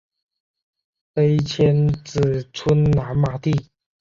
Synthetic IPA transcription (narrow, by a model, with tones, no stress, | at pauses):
e˥ɪt͡ɕʰjɛ˥nt͡sɹ̩˨˩t͡sʰu˥nna˧˥nma˨˧˩t̪i˥˩